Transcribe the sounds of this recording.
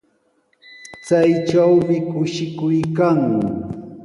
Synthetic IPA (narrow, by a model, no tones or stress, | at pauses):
t͡sajt͡ʃawmɪkʊʃɪkʊjkaŋ